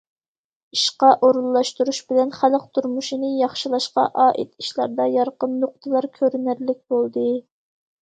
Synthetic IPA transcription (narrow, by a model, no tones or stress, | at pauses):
iʃqɑʔoɾulˠːɑʃt̪uɾuʃbɪlɛnχæləq̚t̪ʰuɾmuʃinɨjɑχʃilˠɑʃqɑ̰ʔɑːʔḭt̪iʃlˠɑ̰ɾd̪ɑjɑɾqənːoq̚t̪ʰɨlˠɑɾkʲʰøɾynæɾlɪk̚ʲbolˠd̪ɨ